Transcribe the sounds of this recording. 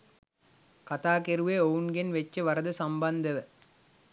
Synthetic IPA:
kɐt̪aːkeɾɯʋeːoʋuŋɡenʋɛt͡ʃːɐʋɐɾɐðɯsɐmbɐnd̪ɐʋɐ

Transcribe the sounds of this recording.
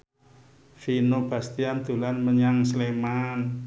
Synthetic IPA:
finob̥ä̤st̪iand̪̥ṳlanməɲaŋsleman

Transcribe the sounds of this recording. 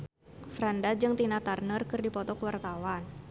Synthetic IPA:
fɾandad͡ʒɨŋt̪inat̪arnərkɨrdipɔt̪ɔkuwart̪awan

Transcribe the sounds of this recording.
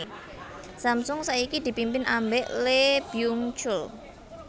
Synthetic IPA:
samsʊŋsaikid̪̥i̤pimpɪnʔambɛʔleb̥iuŋt͡ʃʊl

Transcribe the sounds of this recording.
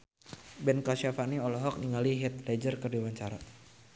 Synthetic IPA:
bɛnkaʃafaniɔlɔɦɔk̚niŋaliɦɛt̪̚lɛd͡ʒərkərdiwaɲt͡ʃaɾa

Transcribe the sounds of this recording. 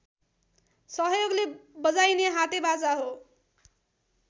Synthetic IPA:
sʌɦjoɡlebʌd͡zajneɦat̪ebat͡saɦo

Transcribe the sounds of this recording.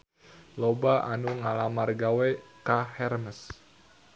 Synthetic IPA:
lobaʔanuŋalamarɡawɛkahɛrməs

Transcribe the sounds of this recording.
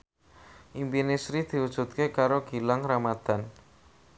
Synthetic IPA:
ʔimpinesɾid̪̥i̤wud̥ʒ̥ṳt̪̚kekaɾoɡ̥i̤laŋɾamad̪̥a̤n

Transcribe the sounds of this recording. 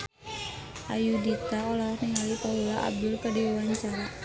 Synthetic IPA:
ʔajudit̪aɔlakniŋalipaɦulaʔa̰b̚dʊlkadiwawaɲt͡ʃaɾa

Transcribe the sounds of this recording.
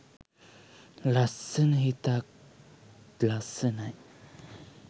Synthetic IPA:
lasənɦitak̚ | lasənaj

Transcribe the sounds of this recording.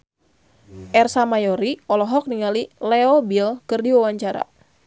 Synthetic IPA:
ʔɛrsamajɔɾiɔlɔɦɔk̚niŋalilɛɔbilkɨrdiwawaɲt͡ʃaɾa̰

